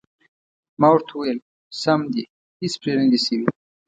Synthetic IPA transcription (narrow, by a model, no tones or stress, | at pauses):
mawʊɾt̪ʰuwel | samd̪i | ispɾeɾiɡisiwi